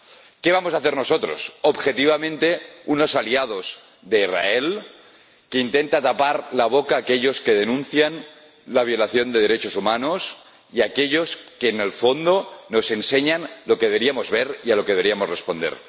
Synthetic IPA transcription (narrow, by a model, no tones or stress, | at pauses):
keβ̞amosaθeɾno̞sot̪ɾo̰sobxet̪iβ̞amẽnt̪eunosaliað̞o̞s | ðe̞ira̰el | keint̪e̞nt̪at̪apaɾlaβ̞okaːkeʎo̞skeð̞enũnθjan | laβ̞jo̞laθjo̞nd̪eð̞e̞ɾet͡ʃosumanos | iakeʎoskeːnelfo̞nd̪ono̞se̞nseɲanlo̞keðeɾiamozβeɾialo̞keɾiamorespond̪ḛɾ